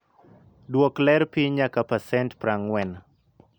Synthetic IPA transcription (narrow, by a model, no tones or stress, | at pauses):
dwɔklɛɾpiɲakapasɛntpɾaŋwɛn